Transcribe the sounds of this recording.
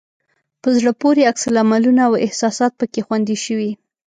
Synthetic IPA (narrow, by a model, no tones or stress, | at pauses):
pəzɽəpoɾeaksalamalunaawɪ̰hsɑsɑt̪̚pəkexwand̪iʃəwi